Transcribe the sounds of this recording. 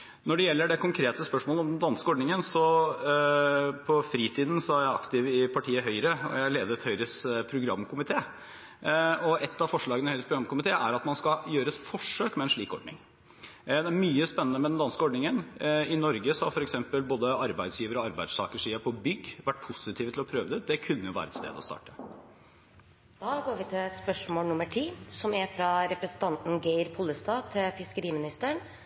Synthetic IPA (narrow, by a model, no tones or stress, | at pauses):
nɔɖɛjɛlːəɖɛkʊŋkʰɾeːt̪əspœʂmoːləɔmd̪ɛnd̪ɑnskəɔɖɳɪŋənsɔ | pʰɔfɾiːt̪ʰiːd̪n̩sɔhɑjæɪɑ̰kt̪ɪʋɪpʰɑʈʰiːəɦœʏɾəɔ̰jæɪleːd̪əɾt̪hœʏɾəspʰɾʊɡɾɑ̰mːkʊmɪt̪ʰeː | ɔʔɛt̪ːɑfɔʂɭɑːɡənəhɛʏɾəspɾʊɡɾɑmkʊmɪt̪ʰeːʔæɾɑt̪mɑnskɑjøːɾəsfɔʂøːkmɛɛnʂɭḭːkɔ̰ɖɳɪ̰ŋ | d̪ɛæɾmyːəspɛnːənəmɛd̪ɛnd̪ɑnskəɔɖnɪŋənɪnɔɾɡəsɔhɑfɔɾɛksɛmpəlboːd̪əɑɾbæɪd̪sjiːʋəɾɔɑɾbæɪd̪st̪ʰɑːkəʂiːɑpʰɔbʏɡːʋæʈ̚ːpʰʊsɪt̪ʰiːʋət̪lɔpʰɾøːʋəd̪ɛd̪ɛkʰʉnːəjʊʋæ̰ːɾəɛt̪st̪ḛːd̪ɔ̰st̪ɑ̰ːʈə̥ | d̪̥ɑːɡoːɾʋɪt̪ʰɪlspœʂmoːlnʊmːəʈʰiːsɔmɛfɾɑɾɛpɾɛsn̩t̪ʰɑnt̪n̩ɡeɪɾpʰɔlːəst̪ɑːt̪ʰɪlfɪskəɾiːmɪnɪst̪əəɳ